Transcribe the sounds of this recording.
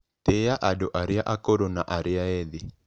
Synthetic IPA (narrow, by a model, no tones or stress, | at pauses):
t̪ejaʔadoʔaɾɪaʔakoɾonaʔaɾɪaɛðɪ